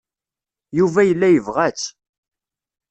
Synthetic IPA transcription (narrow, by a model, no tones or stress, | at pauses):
juvæjəlːæjəvʁæt͡sː